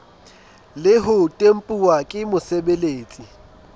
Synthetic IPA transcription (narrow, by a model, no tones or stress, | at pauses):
lɪɦʊtʼem̩pʼuwakʼɪmʊsebeleːt͡sʼi